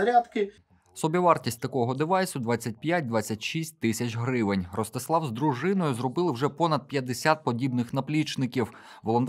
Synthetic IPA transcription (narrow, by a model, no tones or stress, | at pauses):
ɐɾʲat̪kɪ | sɔbʲiʋɑrtʲisʲtʲt̪ɐkɔɦɔd̪ɪʋɑjsʊd̪ʋɑt͡sʲːɐt̚ʲpʲjat̚ʲd̪ʋɑt͡sʲːɐtʲʃisʲt̚ʲt̪ɪsʲɐt͡ʃɦɾɪʋɪnʲrɔst̪ɪslˠɑwzd̪ɾʊʒɪnɔjʊzrɔbɪlˠɪwʒɛpɔnɐd̪̚pʲjɐd̪esʲat̪̚pɔdʲibnɪxnɐplʲit͡ʃnɪkʲiw | ʋɔlˠɔnt̪